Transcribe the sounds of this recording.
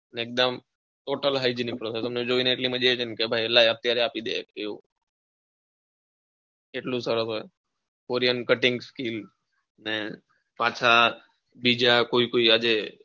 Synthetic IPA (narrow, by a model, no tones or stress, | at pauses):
neːk̚d̪əm | ʈoʈəlɦaid͡ʒinik̚pɾoːsesəmned͡ʒoːʋineeʈlimə̃d͡ʒet͡ʃʰənkebʱaːilaːjət̪ːjaɾeaːpid̪ḛkeu | eʈlusəɾəsɦoe | koːɾijənkəʈɪ̃ŋɡskil | ne | paːt͡ʃʰa | bid͡ʒakoːikoːiad͡ʒe